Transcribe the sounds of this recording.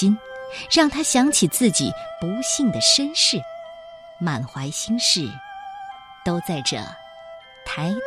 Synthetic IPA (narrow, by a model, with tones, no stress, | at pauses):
i˥nɻɑ˥˩ŋt̪ʰa˥ɕjɑ˧˥ŋt͡ɕʰi˨˩t͡sɹ̩˥˩t͡ɕḭ˨˩pu˧˥ɕi˥˩ŋd̪ə˩ʂə˥nʂɻ̩˥˩ | ma˨˩nxwa˧˥ɪɕi˥ŋʂɻ̩˥˩ | t̪o˥ʊt͡sa˥˩ɪʈ͡ʂə̰˨˩ | t̪ʰa˧˥ɪ